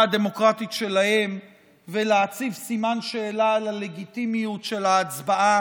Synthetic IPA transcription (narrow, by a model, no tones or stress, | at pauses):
ad̪e̞mo̞kʁat̪itʃe̞lahe̞m | veleat͡sivsimanʃe̞ːlalale̞ɡit̪imijutʃe̞laːt͡sbaʔa